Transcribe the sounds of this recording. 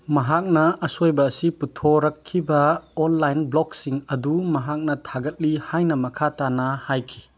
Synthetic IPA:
mɐɦak̚nɐːsojbɐːsiputʰoɾɐkʰːibɐɔnlajnblɔk̚siŋɐdumɐɦak̚nɐtʰaɡɐt̚lihajnɐmɐkʰatanɐhajkʰi̥

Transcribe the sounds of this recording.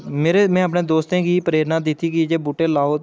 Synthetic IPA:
meːɾeːmɛ̃ːəpnẽːd̪oːst̪ẽːɡiːpəɾeːɾnaːd̪ɪt̪ːiːkid͡ʒeːbuːʈeːlaːɦoː

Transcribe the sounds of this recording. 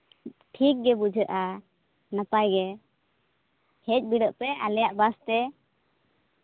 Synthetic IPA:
ʈʰik̚ɡɛbud͡ʒʱəʔa | napajɡɛ | hɛc̚biɖəʔpɛalɛjaʔbast̪ɛ

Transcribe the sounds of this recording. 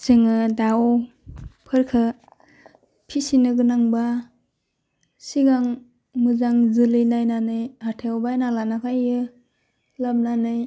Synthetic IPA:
seŋɯdaw | pʰɯɾkʰɯ | pʰisinɯɡɯnaŋba | siɡaŋ | mɯzaŋzɯlɯjnajnanɯjatʰewbajnalanakʰajɯ | lab̚nanɯj

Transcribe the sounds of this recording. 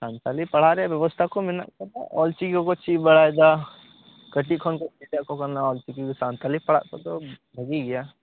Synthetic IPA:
sãːnt̪alipɐɽ̤aɾɛabjɐʋəst̪ʰakomɪna̰kɐɾna̰ɔ̰ːlt͡ʃikõkot͡ʃibɐɽ̤aːjd̪a | kɐʈikʰɔnkosiʈ̪jakokɐɾnaɔːlt͡ʃikiksãːnt̪alipɐɽ̤a̰k̪ot̪obʱɐɡiɡɐja

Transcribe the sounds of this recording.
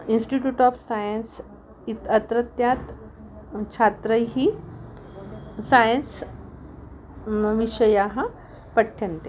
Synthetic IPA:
insʈiʈjuːʈɔfsajəns | it̪ət̪ɾət̪jat̪ | t͡ɕʰat̪ɾəjɦiː | sajəns | ʋiɕəjaɦa | pəʈʰːent̪e

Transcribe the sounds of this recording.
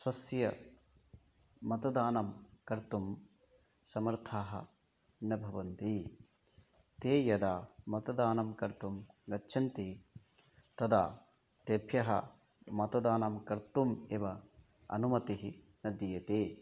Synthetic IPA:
swɐsjɐ | mɐt̪ɐd̪aːnɐmkɐɾt̪um | sɐmɐɾt̪ʰaːɦɐ̰ | nɐbʱɐʋɐnt̪i | t̪eːjɐd̪aːmɐt̪ɐd̪aːnɐmkɐɾt̪umɡɐtːʃʰɐnt̪i | t̪ɐd̪aː | t̪ebʰʱjɐɦɐ̰ | mɐt̪ɐd̪aːnɐmkɐɾt̪umeːʋɐ | ɐ̰numɐt̪iɦi | nɐd̪jijɐt̪eː

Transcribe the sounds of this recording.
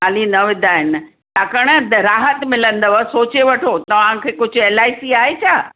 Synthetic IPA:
aːlinɐʋɪd̪ʱaːɦɪn̆ | t̪aːkɐɽ̃əɾaːɦət̪mɪlə̃nd̪əʋsoːt͡ɕeʋɐʈʰot̪ɐʋ̤ãkʰeːkʊd͡ʑʱeːlaːisiaːɦet͡ɕʰaː

